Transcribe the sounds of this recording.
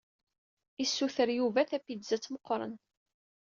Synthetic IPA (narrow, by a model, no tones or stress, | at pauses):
isːuθəɾjuvæθæfid̪zæt͡sːməqːɾˤə̰n